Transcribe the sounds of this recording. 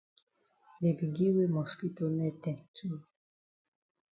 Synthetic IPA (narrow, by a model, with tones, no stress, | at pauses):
de˨bi˨ɡi˦we˦mɔ˨ski˦to˦nɛ˦˨tɛ̃˦˨tʰu˦˨